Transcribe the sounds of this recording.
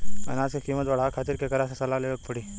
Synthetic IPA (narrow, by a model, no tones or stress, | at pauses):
ɐ̰naːskekiːmət̪bɐɽ̤aːkʰaːt̪iɾkekɐɾasesɐlaleːək̚pəɽiː